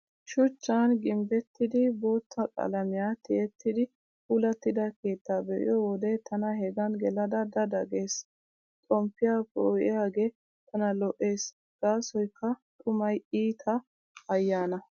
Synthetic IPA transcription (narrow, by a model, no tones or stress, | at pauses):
ʃʊt͡ʃːanɡɪmbɛt̪ːɪd̪ɪbo̞ːt̪ʰːɐkʼɐ̰lɐmɪjaːt̪ɪɛt̪ːɪd̪ɪ | pulɐt̪ːɪd̪ɐke̞ːt̪ːaːbɛʔɪ̰jɔwɔd̪ɛt̪ɐnɐɦɛɡɐnɡɛlɐd̪ɐd̪ɐd̪ɐɡe̞ːs | t̪ʼɔmpːɪjaːpoʔɪ̰jaːɡe̞ | t̪ɐnɐlɔʔe̞ːs | ɡ̥aːsɔjkʰːɐt̪ʼʊmɐjiːt̪ʰɐ | ɐjːaːnɐ